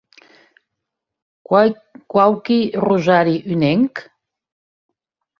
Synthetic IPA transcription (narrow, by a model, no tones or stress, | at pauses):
kwawkiruʒaɾiʔynɛŋk